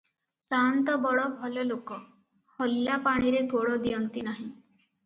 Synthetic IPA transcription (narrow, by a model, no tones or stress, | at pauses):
sant̪ɔbɔɽɔbʱɔlɔlokɔ | hɔljapaɽ̃iɾeɡoɽɔd̪ijɔnt̪inaɦĩ